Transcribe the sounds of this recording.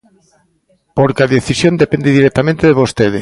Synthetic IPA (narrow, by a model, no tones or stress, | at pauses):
poɾkeaðeθisjond̪epend̪eðiɾɛk̚t̪amẽnt̪eðeβost̪eð̞ɪ